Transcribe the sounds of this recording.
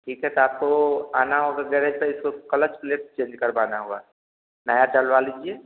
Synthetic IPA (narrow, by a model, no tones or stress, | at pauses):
ʈʰiːkɦɛt̪oaːp̚koaːnaɦoːɡaɡɛɾed͡ʒpeɪskokɐlət͡ʃpleːʈt͡ʃẽːɲd͡ʒkəɾbaːnaɦoːɡa̰ː | nəjaʈəlʋaliːd͡ʒieː